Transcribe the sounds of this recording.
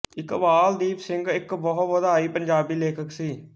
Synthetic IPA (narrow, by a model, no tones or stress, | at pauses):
ɪkʋaːld̪iːpsɪ̃ŋɡɪkbɔɦtʋəd̪aːiːpəɲd͡ʒaːbiːleːkʰəksiː